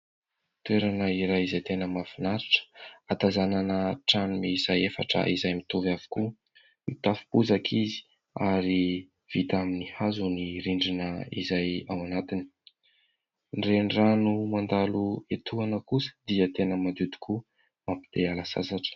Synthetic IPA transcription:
t̪ueɾanəiɾajizajt̪enəmafinaɾiʈ͡ʂə̥at̪azananəʈ͡ʂanimizajefa̰ʈ͡ʂə̰ʔizajmit̪uvavu̥ku | it̪afi̥puzakʰizi̥ | aɾi | v̥it̪aminihazuniɾiɳɖ͡ʐinəizajawanat̪ini̥ | nrenranumand̪aluet̪ʰuanəkusə̥d̪iət̪enəmand̪ud̪i̥kʰu | mampi̥d̪̥ealasa̰saʈ͡ʂə̥

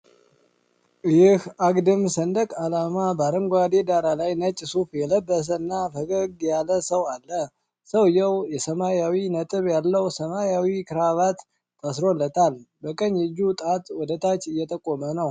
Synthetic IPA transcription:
jɪhaɡd̪ɨmsənd̪əkʼalamabaɾəŋɡʷad̪ed̪aɾalajnət͡ʃʼːsufjɛləbːəs̬əɨnːafəɡəɡjalːəsəwalːə | səwjɛwjɛsəmajawinət̪ʼɨβjalːəwsəmajawikʰɨɾaβat̪ːʰʼ | asɾolːət̪ʰalbəkʼəɲɛd͡ʒːut̪ʼat̪ʼwɔd̪ət̪ʰʼat͡ʃːɨjːɛt̪ʼəkʼːomənəw

